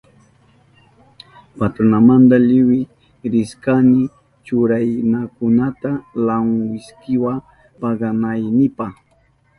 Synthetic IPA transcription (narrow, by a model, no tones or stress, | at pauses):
pat̪ɾʊnamant̪aʎɪwɪ | ɾɪskanɪ | t͡ʃʊɾajnakʊnat̪alaŋwɪskɪwa | paɡanajnɪpɑχ